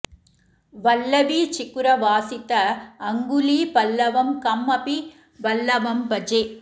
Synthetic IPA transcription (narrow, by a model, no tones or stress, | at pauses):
ʋɐlːɐʋit͡ʃɪkːʊɾɐʋaːsɪt̪ːɐːŋɡʊlipɐlːɐʋɐmkɐmːɐpi | ʋɐlːɐʋɐmpɐd͡ʒeː